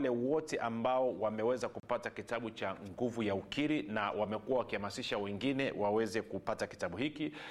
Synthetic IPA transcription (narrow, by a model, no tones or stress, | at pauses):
lɛwɔtɛʔambaɔwamɛwɛzakupatakitaɓut͡ʃaŋɡuvujaukiɾinawamɛkuwawakihamasiʃawɛŋɡinɛwawɛzɛkupataki̥taɓuhiki